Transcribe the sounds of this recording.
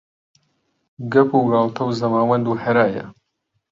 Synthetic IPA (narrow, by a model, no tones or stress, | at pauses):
ɡɐpuɡɑːlt̪ʰɐwzɐmaːwɐnd̪uːħɐɾaːjɐ̰